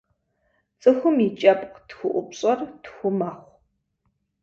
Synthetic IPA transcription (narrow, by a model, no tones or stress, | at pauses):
t͡sʼɨxʷʊmit͡ʃʼɐpʼqtxʷʊʔʷʊpɕʼɐrtxʷʊmaχʷ